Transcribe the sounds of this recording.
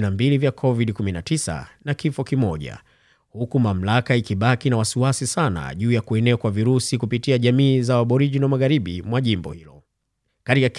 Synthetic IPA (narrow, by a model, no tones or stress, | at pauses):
nambilivjakʰɔviɗikuminatisa̰nakifɔkimɔʄa̰ | hukumam̩lakaikiɓakinawasiwasisana̰ʄuːjakuɛnɛakwaviɾusikupitiaʄamiːzawaɓɔɾiʄinamaɣaɾiɓimwaʄimbɔ̰hilɔ | katikak